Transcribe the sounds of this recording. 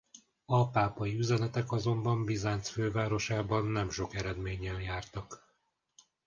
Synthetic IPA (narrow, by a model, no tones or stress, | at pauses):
ɒpaːpɒjiyzɛnɛt̪ɛkɒzo̞mbɒmbizaːntsføːvaːɾo̞ʃaːbɒnːɛmʃo̞kɛɾɛd̪meːɲɛnjaːrt̪ɒk